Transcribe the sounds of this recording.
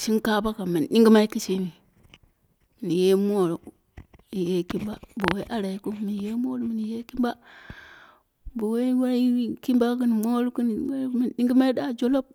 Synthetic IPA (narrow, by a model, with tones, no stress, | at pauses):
ʃi˦nka˦ba˦ka˨mi˨nɗi˦ŋɡi˦ma˦i˦ki˦t͡ʃi˦ni˨ | m˨ni˨je˦m˦o˦˨ɾo˨ | i˨je˦ki˦mba˦bo˨we˦ʔa˦ɾa˨i˨˦ku˦mi˨n˨je˦mo˦lu˦mi˨ni˨je˦ki˦mba˦ | bo˨we˦wa˦i˦ki˦mba˦ki˦n˨mo˦lu˦ku˦n˨˦mi˨nɗi˦ŋɡi˦ma˦i˦ɗa˦˨d͡ʒo˦lo˦b̚